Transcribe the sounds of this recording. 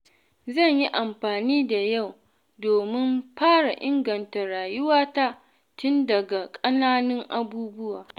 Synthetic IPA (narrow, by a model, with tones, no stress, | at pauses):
zɐ˦˨ɲji˦ʔa˨mɸaː˨niː˦da˨ja˦˨w | doː˨mɪ˦mɸaː˦ɽa˨ʔɪ˦ŋɡɐ˨nta˨ɾaː˨jʊ˦waː˦ta˦ | tʊ˦ndɐ˨ɡa˨kʼɐ˦naː˦nɪ˦ŋʔa˦buː˦bʊ˦waː˨